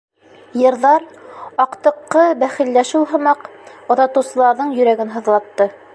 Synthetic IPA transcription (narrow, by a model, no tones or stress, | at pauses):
jɤ̆ɾðɑɾɑqt̪ɤ̆qːɤbæχɘ̆lːæʃulˠɦɤ̆mɑqŏðɑt̪ɤ̆wsɤ̆lˠɑɾðɤɴjɵ̆ɾæɡɘnɦɤ̆ðlˠɑt̪ːɤ